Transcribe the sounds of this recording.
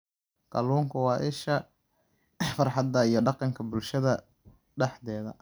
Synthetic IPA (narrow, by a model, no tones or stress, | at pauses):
kɑluːŋkʰɐwɑːʔɪʃɐ | fɑrħɑd̪ɐijɞɖɑqɑŋkʰɐbʊlʃɐðɐ | ɖɛħd̪ɛːðɐ̰